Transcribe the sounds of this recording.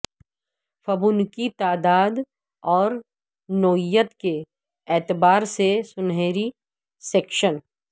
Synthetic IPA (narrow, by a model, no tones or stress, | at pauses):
fɐbʊnkit̪aːd̪aːd̪ | ɔːɾ | noːɪjət̪ke | ɛːt̪ɪbaːɾsesʊnɦeːɾi | seːkʃən